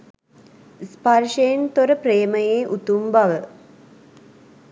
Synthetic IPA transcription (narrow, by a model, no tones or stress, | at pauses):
sparʃejent̪oɾəpɾeːməjeːʔut̪umbaʋə